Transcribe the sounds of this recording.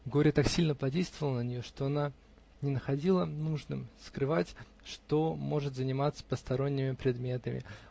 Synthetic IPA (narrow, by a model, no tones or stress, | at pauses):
ɡo̞ɾʲət̪aksʲilʲnəpɐdʲejst̪vəvəlˠənənʲɪjo̞ʂt̪o̞ɐna | nʲɪnəxɐdʲilˠənuʐnɨmskɾɨvatʲ | ʂt̪o̞mo̞ʐɨt̪zənʲɪmat̪sə̥pəst̪ɐɾonʲːɪmʲɪpɾʲɪd̪mʲe̞t̪əmʲɪ̰